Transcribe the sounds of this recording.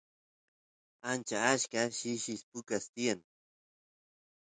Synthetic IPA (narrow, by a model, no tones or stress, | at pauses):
ant͡ʃaːʃkaʃiʃispʊkast̪ian